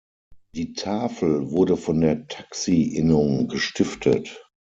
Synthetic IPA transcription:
d̥iːtʰaːfl̩vʊɐdəfɔndeːɐtʰḁksiʔɪnʊŋɡəʃtɪftʰə̰t

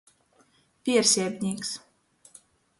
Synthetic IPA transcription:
pʲiɛɾsʲiɛbʲnʲiːks

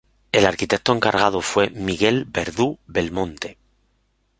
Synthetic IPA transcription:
e̞laɾkit̪e̞k̚t̪oeŋkaɾɣað̞ofwe̞miɣe̞lbe̞ɾðube̞lmõ̞nt̪e

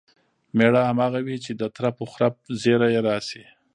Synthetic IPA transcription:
meɽahamɑːɣawit͡ʃed̪ət̪ɾapoxɾap̚zeɾajeɾɑsi

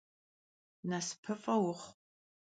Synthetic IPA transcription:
naspʰɨfʼɐwʊχ

